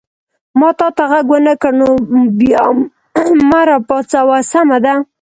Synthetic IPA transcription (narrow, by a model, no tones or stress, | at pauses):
mɑt̪ɑt̪aɣaɡwənəkəɾnobjɑ | maɾapɑt͡sawasamad̪a